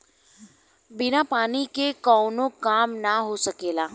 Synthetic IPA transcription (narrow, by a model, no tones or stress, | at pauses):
bɪnapaːnikekɔːnokaːmnaɦosɐkeːlaː